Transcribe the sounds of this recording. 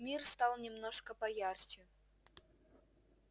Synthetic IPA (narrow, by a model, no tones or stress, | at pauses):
mʲirst̪ɑlˠnʲɪmnoʂkəpɐjart͡ɕɪn